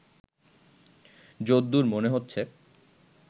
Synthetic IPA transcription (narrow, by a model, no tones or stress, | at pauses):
d͡ʑod̪ːuɾmoneɦotːɕʰe